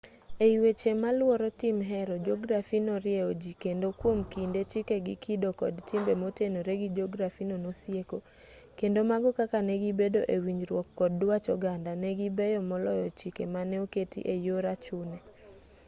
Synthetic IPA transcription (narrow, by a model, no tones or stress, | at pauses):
eiwet͡ʃemalwɔɾɔtɪmɦɛɾɔd͡ʒɔɡɾafinoɾɪɛod͡ʒikendokwomkindet͡ʃikeɡɪkʰidokɔ̰dtɪmbemotenoɾeɡid͡ʒɔɡɾafinonosjeko | kendomaɡɔkakanɛɡibedoʔewiɲd͡ʒɾwɔkːɔd̚ːwat͡ʃɔɡandanɛɡibɛjɔmɔlɔjɔt͡ʃikemanɛoketḭʔejoɾat͡ʃʊnɛ